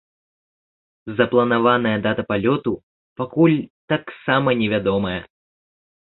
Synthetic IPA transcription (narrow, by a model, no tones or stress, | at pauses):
zɐplˠɐnavanɐjɐd̪at̪ɐpalʲɔt̪u | pakulʲt̪aksamɐnʲɛvʲad̪ɔmɐjɛ